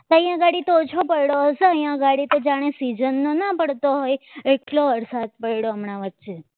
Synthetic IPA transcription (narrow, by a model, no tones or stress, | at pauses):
t̪ə̃jjãɡaɽit̪oːt͡ʃʰopəɭɽoɦəseə̃jjãɡaɽit̪od͡ʒaɽ̃ẽsid͡ʒənːonapəɽt̪oɦojeʈloəɾsat̪̚pəɭɽoəmɳaʋətːʃʰe